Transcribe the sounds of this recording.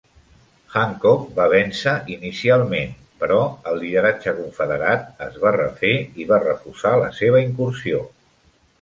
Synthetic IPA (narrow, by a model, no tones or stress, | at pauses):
xaŋkɔkbaβɛnsəʔinisialˠmen | pəɾɔəlˠːiðəɾad͡ʒəkuɱfəðəɾat̪əzβarəfeiβarəfusalə̰seβ̞əiŋkuɾsio